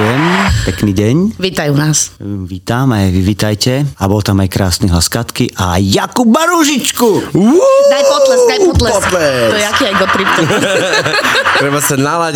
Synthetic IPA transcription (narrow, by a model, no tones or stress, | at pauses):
jɛmpɛkniːɟɛɲʋiːt̪ajunaːsʋiːt̪aːmajʋiʋiːt̪ajcɛabɔlt̪amajkɾaːsniɦlaskat̪kiʔa̰jakubaɾuʒit͡ʃkuunajpɔlɛsajpɔt̪lɛt̪lɛt̪ɔjɛakiːajɡɔt̪ɾipt̪ | tɾɛbasɛnala